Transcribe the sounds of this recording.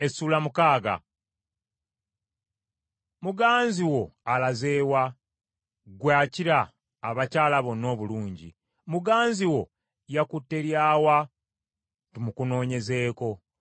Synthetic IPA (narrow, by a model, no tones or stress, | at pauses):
esuːlamukaːɡa̰ | muɡaːnziwo̞alaze̞ːwa | ɡwaːciɾaː | βacaːlaβo̞nːo̞ːβuluːɲɟḭ | muɡaːnziwo̞ | jakutːe̞ɾjaːwa | timukuno̞ːɲe̞ze̞ːko̞